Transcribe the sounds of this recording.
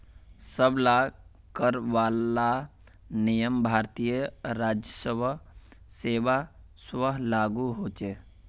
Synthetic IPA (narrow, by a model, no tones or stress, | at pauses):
səbla | kəɾʋalanijəmbʱaɾt̪ijəɾad͡ʒjəsəbʱ | seʋasʋəɦlaɡuɦot͡ʃe